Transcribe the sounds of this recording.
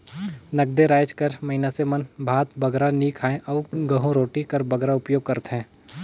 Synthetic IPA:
nɐɡ̚d̪eɾaːjd͡ʒkɐɾmɐɦɪnasemɐnbʱaːt̪bɐɡɾanikʰaːẽʔɔːɡɐɦũɾoːʈikɐɾbɐɡɾaʊpjoːɡ̚kɐɾt̪ɦɛ̃ː

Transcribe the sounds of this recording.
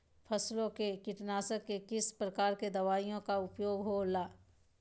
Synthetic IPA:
pʰɐslõkekɪʈnaːsəkːekɪspɾɐkaːɾked̪ɐʋaːijõkaʊpjoːɡɦoːlaː

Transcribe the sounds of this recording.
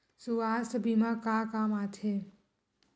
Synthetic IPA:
suaːsbimãkakamat̪ʰe

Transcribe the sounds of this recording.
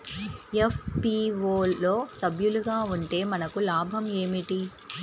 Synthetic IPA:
efpiʋoːoːsɐbʱjuluɡaːuɳʈe̞ːmɐnɐkulaːbʱɐme̞ːmiʈi

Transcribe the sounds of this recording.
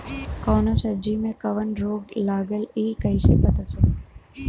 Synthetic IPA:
kɔːnosəd͡ʒimẽkəʋənɾoːɡlaːɡəliːkəiʃepət̪ət͡ʃʰe

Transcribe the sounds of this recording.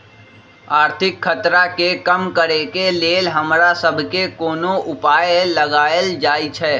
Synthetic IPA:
aːɾt̪ʰɪkʰːɐt̪ɾakekɐmkəɾekeleːlɦɐmɾasəbʱkekoːnoʔʊpaːjlɐɡaːəld͡ʒaːit͡ʃʰɛː

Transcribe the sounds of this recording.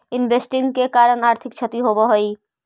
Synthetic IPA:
ɪnbʱesʈɪŋɡkekaːɾənaːɾt̪ʰɪk̚t͡ʃʰət̪iɦobɔɦoi

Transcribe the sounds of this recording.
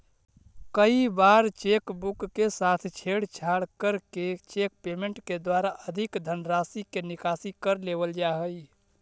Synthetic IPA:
kəibaɾt͡ʃekbukːesaːt̪ʰt͡ʃʰeɽt͡ʃʰaɽkəɾket͡ʃek̚peːmẽɳʈked̪waɾaʔəd̪ʱɪkd̪ʱənɾaːsikenɪkasikəɾlebəld͡ʒaɦəi

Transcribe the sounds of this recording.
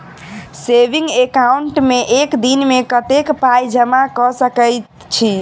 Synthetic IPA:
sebĩŋɡekauɳʈmeʔekd̪inmekət̪ekpajd͡ʒəmakɔsəkəjt̪ | t͡ʃʰi

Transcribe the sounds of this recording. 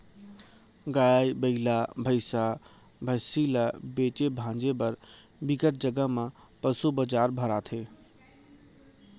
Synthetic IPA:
ɡaːjjbəɪlabʱəɪsa | bʱəsiləbeːt͡ʃebʱãːd͡ʒebəɾ | biɡəʈ̪̚d͡ʒəɡəɦmã | pəsubəd͡ʒaːɾbʱəɾat̪ʰeː

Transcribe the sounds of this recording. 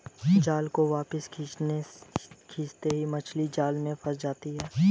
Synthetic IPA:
d͡ʒaːlkoʋaːpəskʰinekʰiːst̪eɦimɐt͡ʃʰlid͡ʒaːlmẽfɐɾd͡ʒaːt̪iɦɛː

